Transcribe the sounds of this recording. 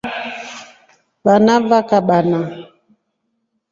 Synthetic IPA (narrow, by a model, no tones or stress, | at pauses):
ɓanavakaɓana